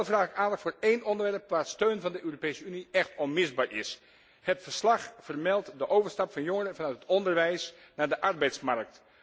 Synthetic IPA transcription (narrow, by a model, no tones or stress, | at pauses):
lˠəfraːkaːnəkfoːɹeːnʔɔndəɹʋɛrpʋaːstøːnvɑndəʔøːropejsəyniɛxtɔnmɪzbaːɹʔɪ̰s | hətfəɹslɑxfərmɛlˠtdəʔowvəɹstɑpfɑnjoŋərəvɑnœɥt̚ɦətɔndərʋɛjs | naːɹdəʔɑrbɛjtsmark̚t